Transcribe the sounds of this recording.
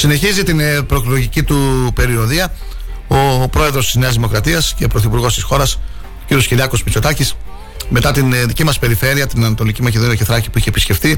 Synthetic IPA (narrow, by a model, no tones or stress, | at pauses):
sine̞çizit̪inpɾo̞klo̞ʝicit̪upe̞ɾio̞ðiɐ | o̞pɾo̞e̞ðɾo̞st̪izne̞ɐzðimokɾɐt̪iɐsce̞pɾo̞θipuɾɣo̞st̪isxo̞ɾɐs | ociɾijo̞sciɾiɐko̞smit͡ʃo̞t̪ɐcis | me̞t̪ɐt̪inðicimɐspe̞ɾife̞ɾiɐt̪inɐnɐt̪o̞licimɐceðo̞nioceθɾɐcipuiçepisce̞ft̪i